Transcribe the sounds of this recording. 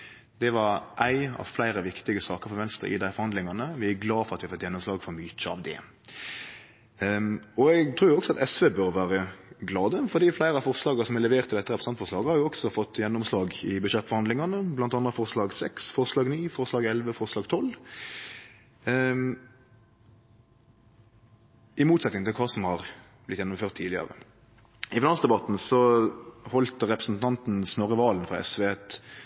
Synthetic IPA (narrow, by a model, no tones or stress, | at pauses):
d̪̥ɛʋɑɾʔæɪɑ̰ʋflæɪɾəʋɪkt̪ɪɡəsɑːkəɾfɔɾʋɛnst̪ɾə̰ʔɪ̰d̪æɪfɔɾʁhɑnd̪lɪŋɑnəʋɪæɡlɑːfɔɾɑt̪ʋɪɑfɔt̪ːjɛnːʊmslɑːɡfɔɾmyːtəɑ̰ʋd̪ɛ̰ | ɔɛɡt̪ʰɾuːɾjʊɔksɔɑt̪ɛsʋeːbœɾʋæːɾəɡlɑːd̪əfɔʁd̪iːflæɪɾəɑfɔʁslɑːɡəsɔmɛlɛʋeːɾʁt̪ʰːɪlɛt̪ːəʁɛpɾsɑnt̪fɔʁʂlɑːɡhɑɾjʊɔɡsɔfɔt̪ːjɛnːʊmslɑːɡɪbʉʃɛt̪ːfɔɾhɑnd̪lɪŋɑnəblɑnt̪ɑnd̪ʁɾəfɔʁslɑːɡsɛksfɔʁslɑːɡniːfɔʁslɑːɡɛlʋəfɔʁslɑːɡt̪ʰɔl | ɪmuːt̪sɛt̪nɪŋɪlkʰɑːsɔmhɑʁ | b̥lɪt̪jɛnːʊmføːʁt̪ʰːiːlɪɑ̰ɾə̰ | ɪfɪnɑnsd̪ɛbɑt̪nsɔhɔlt̪ʁɛpɾəsnt̪ʰɑnt̪n̩snɔʁəʋɑːlnfʁɑɛ̰sʋɛːɛt̪